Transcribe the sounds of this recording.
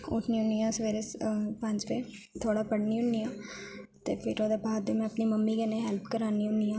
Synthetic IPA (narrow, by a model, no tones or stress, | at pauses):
ʊ̰ʈʰniːʊnijãːsəʋeːɾespə̃ɲd͡ʒpẽː | t̪ʰoːɽaːpəɽniːɦʊnijãːt̪ḛːpʰɪɾoːd̪epaːd̪eːmɛ̃əpniːməmːiːkeneːɦɛlpkəɾaːniːɦʊnijãː